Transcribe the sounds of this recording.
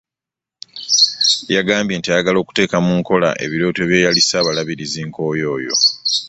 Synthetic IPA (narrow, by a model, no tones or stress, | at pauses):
jaɡaːmbje̞ːntiajaɡalo̞ːku̥te̞ːkamuŋko̞la̰ʔe̞̰βiɾo̞ːtoe̞ːβje̞ːjalisaːβalaβiɾiziŋko̞ːjo̞ːjo̞̰